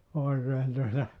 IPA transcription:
oikeːn tuotɑ

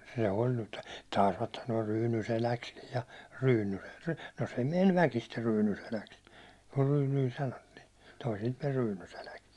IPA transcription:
se olʲ nyt tɑˑisʋɑt sɑnoɑ ryːnyselækskij jɑ ryːnyseks no se menʲ ʋækister ryːnyselæks kur ryːnyi sɑnotːiː toisilt men ryːnyselæks

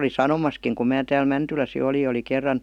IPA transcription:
oli sɑnomɑskiŋ kum mæː tæːl mæntylæs jo oli jɑ oli kerːɑn

